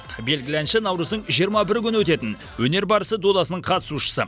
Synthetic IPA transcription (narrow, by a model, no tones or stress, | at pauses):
be̞lɡʲɪlænʃɪnɑwɾəzd̪əɴʒijəɾmɑbɪɾɪkʲʰʏnɪwɵt̪e̞t̪ɪn | wɵne̞ɾbɑɾəsəd̪od̪ɑsənəɴqʰɑt̪ə̥suʃə̥sə